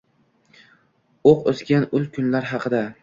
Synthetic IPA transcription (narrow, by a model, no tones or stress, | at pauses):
oqozɡʲanʊlkʲʰʊnlaɾɦɑqʰɨd̪a